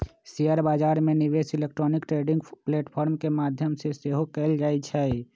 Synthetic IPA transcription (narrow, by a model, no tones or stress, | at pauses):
sijəɾbaːd͡ʒaːɾmeniʋesilek̚ʈɾoːnikʈɾeɖɪ̃ŋɡpleːʈpʰɔːɾmkemaːd̪ʱjəmseseɦokɛld͡ʒaːɛt͡ʃʰɛ